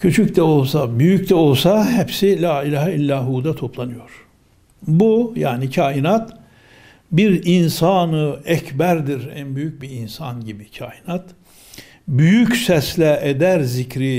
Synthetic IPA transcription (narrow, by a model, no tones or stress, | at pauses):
cʰyt͡ʃʰyct̪ɛo̞lˠsabyjyct̪ɛo̞lˠsaɦɛpsilʲaːilʲaːhilʲːaːɦuːd̪at̪ʰo̞pʰlˠanɯjo̞ɾ̥ | buja̰ːnicʰaːinat̪ | biɾinsanɯɛcbæɾd̪iɾæ̰nbyjyc̚biinsanɟibicʰaːinat̪ | byjycsɛslʲɛʔed̪æɾzicɾi